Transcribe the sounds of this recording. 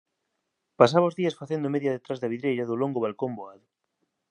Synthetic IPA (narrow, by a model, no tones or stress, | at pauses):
pasaβaozðiɐsfaθend̪omeðjɐðet̪ɾazðɐβ̞iðɾejɾɐðʊloŋɡoβalkomboaðʊ